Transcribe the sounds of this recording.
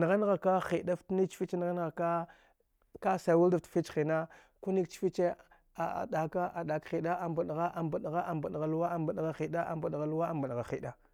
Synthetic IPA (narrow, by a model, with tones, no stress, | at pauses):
n˨ɣa˦n˦ɣa˨ka˦xi˨da˦ftni˦t͡ʃfi˦t͡ʃn˨ɣa˦n˦ɣa˨ka˦ | ka˦sa˨wu˦lda˨ftfi˦t͡ʃxi˨na˦ | ku˦ni˦kt͡ʃfi˦t͡ʃe˦ | a̰˨ɗa˨ka˦ʔa˨ɗa˨kxi˨ɗa˦ʔa˨m˨ba˨ɗɣa˦ʔa˨mba˨ɗɣa˦ʔa˨mba˨ɗɣa˨lu˦wa˦a˨mba˨ɗɣa˨xi˨ɗa˦ʔa̰˨mba˨ɗɣa˨lu˦wa˦a˨mba˨ɗɣa˨xi˨ɗa˦